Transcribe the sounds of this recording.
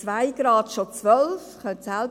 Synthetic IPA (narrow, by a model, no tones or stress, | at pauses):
vaɪɡ̥ɾɑːd̥ʃɔt͡sʋœlfχœntsalb